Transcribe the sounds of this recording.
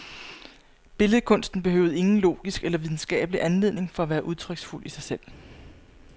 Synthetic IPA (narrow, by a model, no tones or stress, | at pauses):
b̥e̝ləð̞̩ˠkʰɔ̽n̰sd̥n̩b̥e̝hø̰ʊð̩ˠe̝ŋn̩lo̝̰ːɡ̥isɡ̥elɐʋið̞ˠn̩sɡ̥ɛ̰ːb̥əliʔænle̝ð̰ˠne̝ŋfɒ̽æʋæːɐʔuðˠt͡sʰʁœɡ̥sful̰ʔisɑ̈ɪsel̰